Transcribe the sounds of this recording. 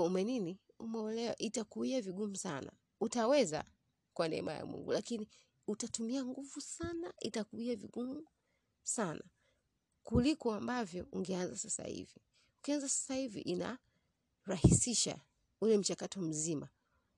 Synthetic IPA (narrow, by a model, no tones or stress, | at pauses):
umɛnini | umɛɔlɛwa̰ʔitakuiaviɡumusana̰ | utawɛza̰ | kwanɛ̰ɛ̰ma̰ja̰mwṵŋɡṵlakini | utatumiaŋɡuvusanaitakuiavḭɠumu | sana | kulikɔambavjɔuŋɡɛanzasasa̰hḭvi | ukianzasḁsahivḭʔina̰ | ɾahisiʃa̰ | ulɛm̩t͡ʃakatɔm̩zima